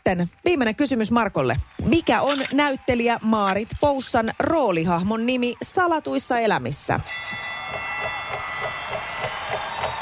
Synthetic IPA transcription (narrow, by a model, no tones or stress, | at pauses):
enʋiːmːe̞ne̞ŋkysymysmɑrko̞lːemikæʔo̞nːæyt̪ːe̞liæmɑːɾit̪po̞wsːɑnro̞ːliɦɑhmo̞nːimisɑlɑt̪ujsːɑe̞læmisːæ̰